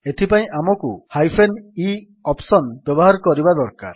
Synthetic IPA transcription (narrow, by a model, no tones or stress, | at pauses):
et̪ʰipaĩʔamɔkuhajpʰeni | ɔpsɔnbjɔbɔɦaɾkɔɾibad̪ɔɾka̰ɾ